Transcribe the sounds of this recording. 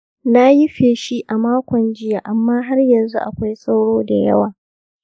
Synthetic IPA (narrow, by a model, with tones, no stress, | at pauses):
na˦ji˦ɸeː˨ʃi˦ʔa˨maː˦kʷɔ˨nd͡ʒɪ˦ja˨ʔa˨mːaː˦ɦa˦rjɐ˨nzṵ˦ʔa˨kʷa˦jsa˦wɽoː˦da˨jɐ̰˦waː˨